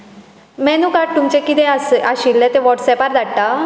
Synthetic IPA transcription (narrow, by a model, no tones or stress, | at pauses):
mɛnukaʈ̚t̪umt͡ɕẽkit̪ẽasaɕilːẽt̪eʋɔʈsɛpaɾd̪aɽʈa